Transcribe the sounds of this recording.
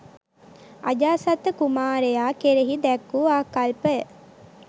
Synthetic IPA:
a̰d͡ʒaːsɐt̪ːəkumaːɾejaːkeɾeɦid̪ɛkːuaːkalpə

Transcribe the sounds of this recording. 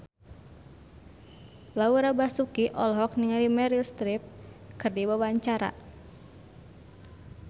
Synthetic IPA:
lauɾabasukiʔɔlɦɔk̚niŋalimɛɾilst̪ɾip̚kɨrdibawaɲt͡ʃaɾa̰

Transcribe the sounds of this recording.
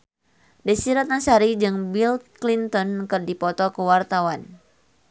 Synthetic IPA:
dəsiɾat̪̚nasaɾid͡ʒɨŋbilklint̪ɔnkɨrdipɔt̪ɔkəwart̪awan

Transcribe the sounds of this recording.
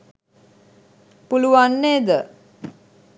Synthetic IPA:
puluʋanːeːd̪ə

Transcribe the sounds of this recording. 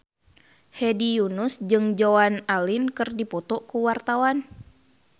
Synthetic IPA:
hɛdijunusd͡ʒɨŋd͡ʒoanalinkɨrdipɔt̪ɔkuwart̪awan

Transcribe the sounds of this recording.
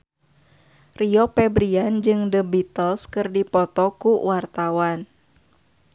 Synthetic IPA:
riɔpɛbɾiand͡ʒɨŋdəbit̪əlskɨrdipɔt̪ɔkuwart̪awan

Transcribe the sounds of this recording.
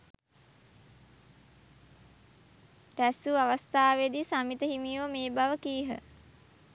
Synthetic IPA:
ɾæsuaʋast̪aːʋed̪isamit̪əɦimiʋəmeːbaʋəkiːɦə̰

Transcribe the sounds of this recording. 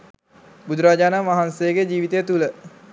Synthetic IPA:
bud̪uɾaːd͡ʒaːnamʋaɦansejəɡed͡ʒiːʋit̪ejət̪ulə

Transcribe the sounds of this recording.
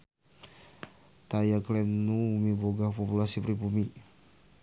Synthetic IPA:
t̪ajaklɛmnuumiboɡahpopulasipɾipumi

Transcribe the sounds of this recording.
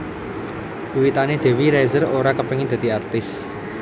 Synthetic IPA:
uwit̪aned̪̥e̤wiɾɛzəroɾakəpəŋɪd̪̥ä̤d̪̥i̤art̪ɪs

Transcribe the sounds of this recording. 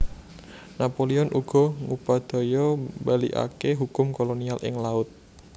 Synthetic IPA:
napoliɔnʔuɡ̥ɔ̤ŋupad̪̥ɔ̤jɔbalḭʔa̰keɦukʊmkolonialʔɪ̰ŋlaʊt̪̚

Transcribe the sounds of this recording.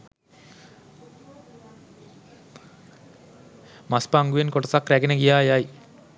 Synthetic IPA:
maspaːŋɡuʋenkoʈɐsakɾæɡenəɡijaːjaj

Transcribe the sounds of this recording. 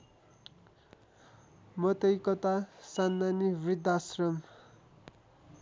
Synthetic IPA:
mʌt̪ʌjkʌt̪asanːanibrid̪asrʌm

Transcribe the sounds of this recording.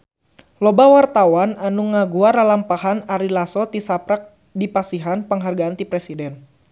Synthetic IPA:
lɔbawart̪awananuŋaɡuaɾalampaɦanaɾilasɔt̪isapɾak̚ | dipasiɦanpəŋɦarɡaːnt̪ipɾɛsidɛn

